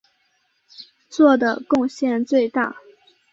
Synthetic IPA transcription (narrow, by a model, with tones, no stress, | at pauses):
t͡swɔ˥˩d̪ə˩kʊ˥˧ŋɕjɛ˥˧nt͡swe˥˧ɪt̪a̰˥˩